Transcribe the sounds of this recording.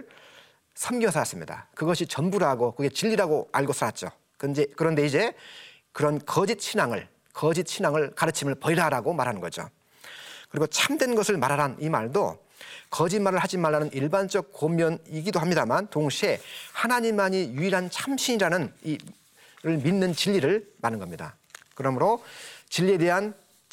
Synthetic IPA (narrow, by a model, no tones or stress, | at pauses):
ɭ | sʰʌmɡiʌsʰaas͈ɯmɲḭda̰kɯɡʌɕʰit͡ɕʌnbuɾaɡokɯɡe̞t͡ɕiʎːiɾaɡoaɭɡosʰaɾat̚t͡ɕ͈o̰ | kɯnd͡ʑekɯɾʌnde̞id͡ʑe̞ | kɯɾʌnkʌd͡ʑit̚ɕʰinaŋɯ̰ɭ | kʌd͡ʑit̚t͡ɕʰinaŋɯɭkaɾɯt͡ɕʰimɯɭpʌiɾaɾaɡomaɾɦanɯnɡʌd͡ʑo̰ | kɯɾiɡot͡ɕʰamdwe̞nɡʌsʰɯɭmaɾɦaɾanimaɭdo̰ | kʌd͡ʑimaɾɯɭhad͡ʑimaɭːanɯnʔiɭband͡ʑʌk̚komjʌniɡidohamɲidamantoŋɕʰie̞hanaɲimaɲijuiɾɦant͡ɕʰamɕʰiɲiɾanɯni | ɾɯɭminːɯnt͡ɕiʎːiɾɯɭmanɯnɡʌmɲida̰ | kɯɾʌmɯɾot͡ɕiʎːie̞de̞ɦan